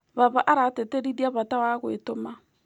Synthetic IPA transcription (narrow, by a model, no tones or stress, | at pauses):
βaβaʔaɾateteɾiɾiaβatawaɣwḛtoma